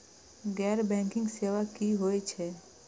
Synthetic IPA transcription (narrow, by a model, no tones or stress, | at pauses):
ɡɛɾbɛ̃ŋkɪ̃ŋɡseʋakiɦojt͡ʃʰe